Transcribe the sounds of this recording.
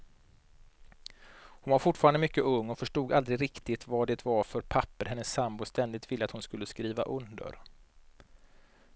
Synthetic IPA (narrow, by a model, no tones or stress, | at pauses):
hʊnvaɾfʊʈfɑːɾand̪əmʏkːəʔɵŋːɔfœʂʈuːɡald̪ɾɪɡɾɪkt̪ɪt̪vaɖɛt̪ʰvaɾfœɾpʰapːəɾɦɛnːəsːambʊst̪ʰɛnd̪ɪt̪vɪlːəat̪hʊnskɵlːəskɾiːva̰ʔɵnd̪ə̰ɾ